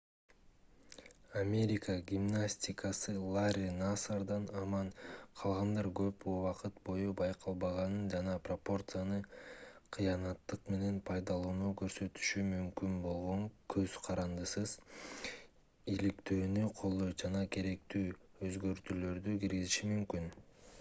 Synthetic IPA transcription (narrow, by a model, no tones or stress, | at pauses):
amʲe̞ɾʲɪkəɡʲimnasʲtʲikasɯlˠaɾʲinasaɾd̪ɑnɑmɑɴqʰɑlˠʁɑnd̪ɑɾɡø̞puːwɑqɯt̪bo̞jubɑjqʰɑlˠbɑʁɑnɯnd͡ʒɑnɑpropo̞rt̪sɨjanɯqʰɯjɑnɑt̪ːɯqme̞ne̞npʰɑjd̪ɑlˠuːnukø̞ɾsø̞t̪y̥ʃymymkynbo̞lˠʁo̞ŋkʰøzqʰɑɾɑnd̪ɯsɯz̥ | ilikt̪ø̞ːnyqʰo̞lˠd̪o̞jd͡ʒɑnɑkʰe̞ɾe̞k̚t̪yːøzɡø̞ɾt̪ylø̞ɾd̪ykiɾɡiziʃimymkyn